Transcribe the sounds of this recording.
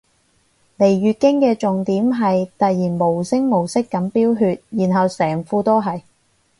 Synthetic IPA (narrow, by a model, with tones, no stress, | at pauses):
le˨˩jɥyː˨˧t̚kɪ˥ŋkɛː˧t͡ʃʊ˨ŋt̪iː˨˥mɦɐ˨jt̪ɐ˨t̚jiː˨˩nmo˨˩wsɪ˥ŋmo˨˩wsɪ˥kːɐ˨˥mpiː˥wɦyː˧t̚jiː˨˩nɦɐ˨wsɛː˨˩ŋfuː˧t̪oː˥ɦɐ˨j